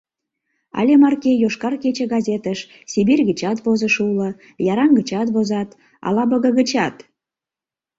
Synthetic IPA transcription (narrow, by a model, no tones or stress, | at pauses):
ɑ̰lʲemɑrkejoʃkɑrket͡ɕəɡɑzʲet̪əʃ | sibirʲɣət͡ɕɑt̪βozəʃulə | jɑɾɑŋɡət͡ɕɑt̪βozɑt̪ | ɑ̰lɑbəɣə̆ɣət͡ɕɑt̪